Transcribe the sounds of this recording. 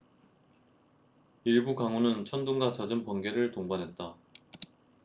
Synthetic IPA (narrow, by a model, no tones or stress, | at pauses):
iɭbukaŋonɯnt͡ɕʰʌnduŋɡat͡ɕad͡ʑɯmpʌnɡe̞ɾɯɭtoŋbanɦe̞t̚t͈a